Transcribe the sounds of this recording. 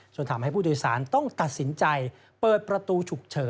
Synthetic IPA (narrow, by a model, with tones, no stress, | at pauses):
t͡ɕo˧nt̪ʰaː˨˦mha˥˩jpʰuː˥˩doː˧jsaː˩˦nt̪ɔ˥˩ŋt̪a˨˩t̪̚si˩˦nt͡ɕa˧j | pɤː˨˩t̪̚pɾa˧t̪uː˧t͡ɕʰu˨˩k̚t͡ɕʰɤː˩˦